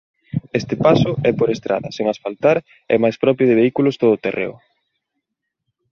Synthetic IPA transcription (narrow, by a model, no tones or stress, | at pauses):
est̪ɪpasʊʔɛpoɾest̪ɾa̰ðɐseŋasfalt̪aɾ | ɛ̰majspɾɔpɾjʊðɪβeikulʊst̪oðʊːt̪erḛʊ̰